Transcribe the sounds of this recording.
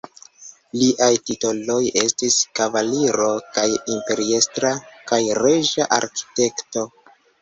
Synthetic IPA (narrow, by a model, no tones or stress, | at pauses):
liʔajtito̞lo̞je̞stiskavaliɾo̞kajimpe̞ɾie̞stɾakajɾe̞ʒaʔa̰ɾki̥te̞kto̞